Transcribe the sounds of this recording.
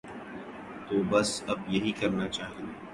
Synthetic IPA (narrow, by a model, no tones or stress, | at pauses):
t̪oːbɐsɐbjɐɦikɐɾnat͡ʃaːɦẽe